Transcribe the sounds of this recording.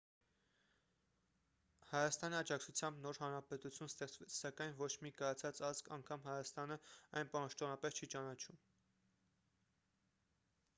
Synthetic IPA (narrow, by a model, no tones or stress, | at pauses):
hɑjɑst̪ɑniɑd͡ʒɑkt͡sʰut͡sʰjɑmbnɔɾɦɑnɾɑpɛt̪ut͡sʰjunst̪ɛχt͡svɛt͡sʰsɑkɑjnvɔt͡ʃʰmikɑjɑt͡sʰɑt͡sɑt͡skʰɑŋkʰɑmɦɑjɑst̪ɑnəɑjnpɑʃt̪ɔnɑpɛst͡ʃʰit͡ʃɑnɑt͡ʃʰum